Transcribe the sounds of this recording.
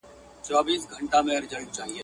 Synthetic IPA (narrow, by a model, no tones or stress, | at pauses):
t͡ʃaːbiːsɡʱəɳʈaːmẽːəɾd͡ʒəɽt͡ʃaːɦieː